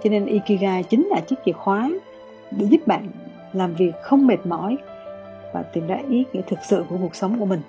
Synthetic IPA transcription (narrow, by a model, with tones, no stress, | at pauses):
t͡ɕɔ˧ne˧nʔi˧ki˧ɣaː˧t͡ɕï˨˦ŋ̟laː˨˩t͡ɕi˦˥k̚t͡ɕi˨˩ək̚xwaː˨˦ | ɗḛ˧˩zu˦˥p̚ɓa̰ː˧˨n | laː˨˩mvi˨˩ək̚xə˧wŋ͡mme˨˩t̚mɔ̰˧˩j | vaː˨˩t̪i˨˩mɗa̰ː˧˥ʔi˨˦˥ɲḭ˧˥t̪ʰɨ˨˩k̚sɨ̰˧˨ku˧˩əku˨˩ək̚sə˨˦wŋ͡mku˧˩əmï˨˩ŋ̟